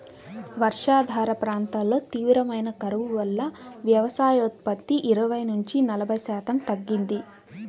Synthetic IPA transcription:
ʋɐɾʂaːd̪ʱaːɾɐpɾaːnt̪aːllo̞ːt̪iːʋɾɐmɐjnɐkɐɾɐʋuʋɐlːɐʋjɐʋɐsaːjot̪̚pɐt̪ːiʔiɾɐʋɐjnuɲt͡ʃinɐlɐbʱɐjsaːt̪ɐmt̪ɐɡːind̪i

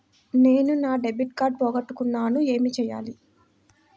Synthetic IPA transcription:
ne̞ːnunaːɖebiʈkaːɾɖ̚pɔːɡɐʈːukunːaːnue̞ːmit͡ʃɛːja̰ːli

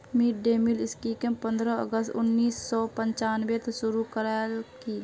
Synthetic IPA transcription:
miːʈ̚ɖeːmilɪskikəmpə̃nd̪ɾəə̰ɡəst̪ʊ̰nːiːsːɔːpəɲt͡ʃaːnbet̪eʃʊɾukəɾaki

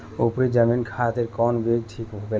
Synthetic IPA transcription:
opɾid͡ʑaminkʰat̪eɾkɔnbeɡ̚ʈʰikɦobe

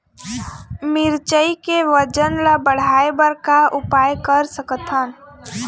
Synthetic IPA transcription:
mɪɾt͡ʃəikeʋəd͡ʒənlabəɽ̤aebəɾkaʊpajkəɾsəkət̪ʰən

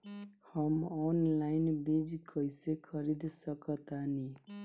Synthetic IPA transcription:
hʌmɔnlajnbid͡zkʰʌjsekʰʌɾid̪sʌkʌt̪ani

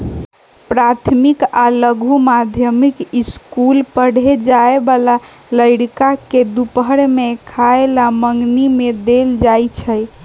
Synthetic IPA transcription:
pɾat̪ʰmikaləɡʱumad̪ʱjəmikiskulpəɽ̤ed͡ʒaebala | ləjɽkaked̪upɦəɽmekʰaelaməŋɡnimed̪eld͡ʒajt͡ʃʰəj

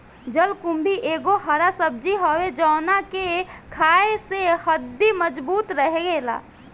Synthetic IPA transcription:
d͡ʒəlkũmbʱiʔeːɡoɦəɾasəb̚d͡ʒiɦowed͡ʒɔːnakekʰaːesehəd̪ːiməd͡ʒbuːt̪ɾəɦeɡeːla̰ː

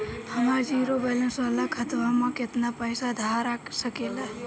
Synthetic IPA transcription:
həmaɾd͡ʒiɾobelə̃nsəlakʰət̪ʋamãket̪napəjsad̪ʱaɾakʰsəkela

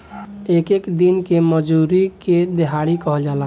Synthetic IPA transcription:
ekekd̪inkeməd͡ʒuɾiked̪eɦaɽikəɦd͡ʒala

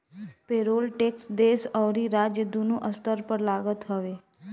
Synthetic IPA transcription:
peɾolʈeksd̪esəʋɾiɾad͡ʒjəd̪unũʔəst̪əɾpəɾlaɡət̪ɦəʋe

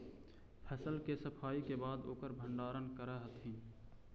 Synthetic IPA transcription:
pʰɛːsəlkesəpʰaːikebaːd̪oːkəɾbʱəɳɖaːɾənkəɾəɦət̪ɦĩː

